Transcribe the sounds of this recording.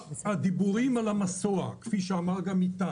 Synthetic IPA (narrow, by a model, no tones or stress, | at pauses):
ad̪ibuʁimalamasoa̰kfiʃeamaʁɡamit̪a